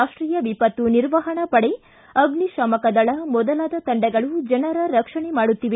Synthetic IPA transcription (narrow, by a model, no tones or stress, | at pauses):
aːʂʈɾiːjɐʋipɐt̪ːuniɾʋɐɦɐɳɐpɐɽe | ɐɡniʃɐmɐkɐd̪ɐɭɐmɔd̪ɐlaːd̪ɐt̪ɐɳɖɛɡɐɭud͡ʒɐnɐɾɐɾɐkʂɐɳemaːɽut̪ːiʋe